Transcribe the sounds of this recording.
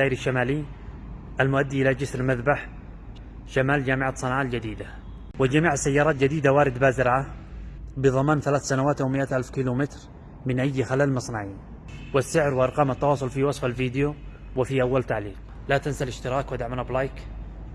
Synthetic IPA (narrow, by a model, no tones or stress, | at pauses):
aːʔɪɾɪʃːamaːli | ʔalmʊʔad̪ːiʔɪlad͡ʒɪsɾmaðbaħ | ʃamaːld͡ʒaːmɪʕat̪sˤɨnʕaːld͡ʒad̪iːd̪a | wɪld͡ʒamiːʕasːajːɑːɾˤɑːt̪̚d͡ʒad̪iːd̪awaːɾɪd̪baːzɪɾʕa | bɨðˤɑmaːnθalaːθsanawaːt̪ʔawmɪʔat̪ʔalfkiːlumɪt̪ɾ | mɪnʔajːxalaːlmɨsˤnaʕiːn | wɪsːɪʕɾwɪʔɑɾˤqɑːmɪt̪ːɑwɑːsˤʊlfiwɑsˤfalfiːd̪ɪju | wɪfiʔawːalt̪aʕliːq | lat̪ɪnsalɪʃt̪ɪɾɑːkwɪd̪aʕmanablajk